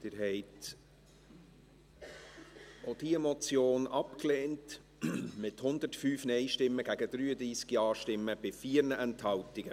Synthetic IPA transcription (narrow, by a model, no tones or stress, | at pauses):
d̪̥ɪːɾɦɛɪt | od̥iɛmɔt͡sjoːnɑpkleːnt | mɪthʊnd̪ətfyːfnɛɪʃtɪmːəɡ̥æɡəd̪̥ɾyːəd̪ɾiːskiɑːʃtɪmːəb̥ɪfiːəɾnəʔɛnthɑwtɪɡ̥ə